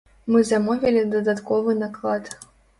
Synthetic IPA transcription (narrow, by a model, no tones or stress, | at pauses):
mɨzamɔvʲilʲid̪ɐd̪at̪kɔvɨnaklˠat̪